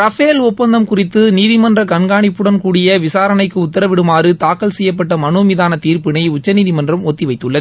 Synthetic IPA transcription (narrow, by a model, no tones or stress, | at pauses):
ɾɐfeːlʊpːɐnd̪ɐmkʊrɪt̪ːɯniːðɪmɐndrɐkɐɳɡaːɳɪpːɯɽɐnkuːɽɪjɐʋɪsaːɾɐnɐɪkːɯʊt̪ːɐɾɐʋɪɽɯmaːɾɯt̪aːkːɐlsɛjːɐp̬ːɐʈːɐmɐnuːmiðaːnɐt̪iːɾpɪnɐɪʊt͡ʃːɐniːðɪmɐndrɐmɔt̪ːiʋɐɪt̪ːɯɭːɐð